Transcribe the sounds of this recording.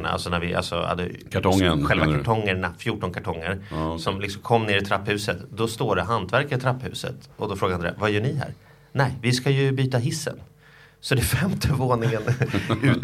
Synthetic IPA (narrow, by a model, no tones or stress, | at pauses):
na̰ʔa̰lsɔnæɾvɪʔa̰lsɔ̰ha̰d̪ːə̰kʰaʈɔŋənɧɛlvakʰaʈʰɔŋːəɳafjuːʈɔnkʰaʈʰɔŋːəɾsɔmlɪksɔmkʰɔmːneːɾɪt̪ʰɾapːhʉ̟ːsət̪d̪ɔst̪oːɖɛɦant̪ʰvæɾkaɾɪt̪ʰɾapːhʉ̟̰ːsə̰t̪ɔd̪ɔfɾoːɡaand̪ɾḛːavajœːɳɪɦæ̰ːɾ | nɛjvɪskajɵbyːt̪aɦɪsːə̰n | sɔd̪ɛfɛmt̪ʰəvoːnɪŋənʉ̟ː